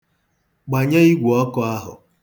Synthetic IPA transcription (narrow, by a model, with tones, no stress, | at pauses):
ɡ͡ba˨ɲe˦i˦ɡʷu˨ɔ˦kɔ˨a˦ɦʊ̰˨